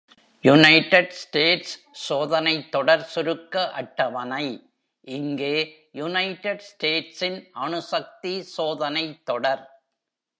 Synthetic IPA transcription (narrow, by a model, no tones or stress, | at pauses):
jʊnɐɪʈɐɖsʈeːʈsː | oːðɐnɐɪt̪ːɔɽɐɾsʊɾɯkːɐʔɐʈːɐʋɐnɐɪ | ʔɪŋɡeː | jʊnɐɪʈːɐɖsʈeːʈsɪnʔɐnɯsɐk̚t̪isoːðɐnɐɪt̪ːɔɽɐɾ